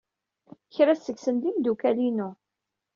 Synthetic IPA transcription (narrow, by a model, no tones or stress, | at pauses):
çɾæsəɡsənd̪imd̪ukælinu